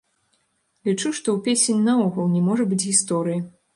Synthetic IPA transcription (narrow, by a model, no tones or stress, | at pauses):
lʲit͡ʂuʂt̪ɔwpʲesʲenʲnaɔɣɐlˠnʲɛmɔʐɐbɨt͡sʲɣʲist̪ɔɾɨjɐ